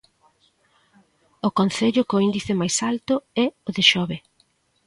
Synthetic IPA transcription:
okonθeʎʊkʊind̪iθɪmajsalt̪ʊɛoðɪʃɔβe

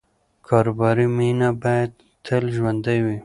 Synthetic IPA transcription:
kʰɑɾobɑɾiminabɑjad̪ | t̪ʰəlʒwand̪ajwi

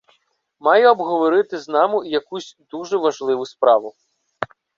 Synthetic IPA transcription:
mɑjɛɔbɦɔʋɔɾɪt̪ɪznɑmʊjɐkusʲd̪uʒɛʋɐʒlˠɪʋʊspɾɑʋʊ

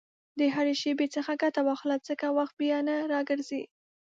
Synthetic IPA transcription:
d̪əɦaɾeʃebet͡səxaɡat̪awɑxlat͡səkawaxt̪̚bjanaɾɑɡəɾzi

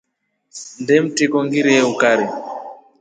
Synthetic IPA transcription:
ndɛm̩tikɔŋɡiɾiɛukaɾi

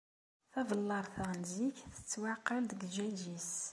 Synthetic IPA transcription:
θævlːɑɾˤθænziçθə̥t͡sːwaqːɑld̪əɡʒæʒis

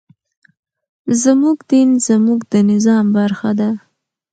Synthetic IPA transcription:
zəmuɡd̪inzəmuɡd̪ənɪzɑmbaɾxad̪a

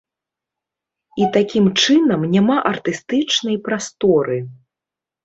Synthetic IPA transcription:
it̪akʲimt͡ʂɨnɐmnʲamaʔɐrt̪ɨst̪ɨt͡ʂnɐjpɾast̪ɔɾɨ

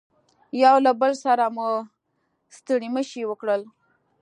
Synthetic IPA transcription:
jɑwlabəlsaɾamu | st̪əɽiməʃiwəkɽəl

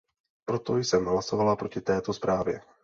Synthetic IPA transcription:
pɾo̞t̪o̞jsɛmɦlaso̞valapɾo̞cɪt̪ɛːt̪ospɾaːvjɛ

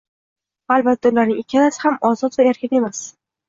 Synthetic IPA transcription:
albat̪ʰːaulaɾnɪŋekʲʰːanasɪ̥hamɒzɒt̪vaeɾkʲʰɪne̞mas

